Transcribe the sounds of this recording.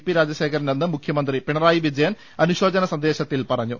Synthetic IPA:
pːiɾaːd͡ʑjɐɕe̞ːkʰɐɾɐne̞nːɨmukʰjɐmɐnd̪ripiɳɐraːjiʋid͡ʑɐjɐn | ɐnuɕo̞ːd͡ʑɐnɐsɐnd̪e̞ːɕɐt̪ːilpɐrɐɲːu

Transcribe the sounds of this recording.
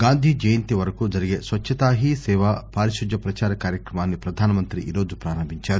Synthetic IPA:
ɡaːnd̪ʱiːd͡ʒɐjɐnt̪iʋɐɾɐkud͡ʒɐɾiɡesʋɐt͡ʃːɐt̪aːɦisɛːʋapaːɾiʃud͡ʒɐpɾɐt͡ʃaːɾɐkaːɾjɐkɾɐmaːnːipɾɐd̪ʱaːnɐmɐnt̪ɾiʔiːɾo̞ːd͡ʒupɾaːɾɐmbʱiɲt͡ʃaːɾu

